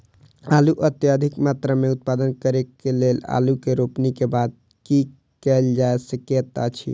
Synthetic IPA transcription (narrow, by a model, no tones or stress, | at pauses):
aluʔət̪jad̪ʱikmat̪ɾameut̪̚pad̪ənkəɾekelela̰lukeɾopnikebad̪̚ | ki | kɛld͡ʒaesəkjət̪at͡ʃʰḭ